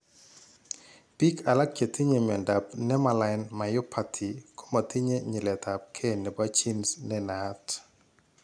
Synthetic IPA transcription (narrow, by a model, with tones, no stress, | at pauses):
pi˦kʰa˨la˦kje˨ti˦ɲe˨mɛ˨nda˨pnɛ˦ma˨la˨ɪnma˨jo˦pʰa˨tʰi˨kʰo̥˦ma˨t̪i˦ɲe˦ɲi˨lɛ˨ta˨p̚kʰe˦˨nɛ˨ba˦t͡ʃi˦nsnɛ˦na˦t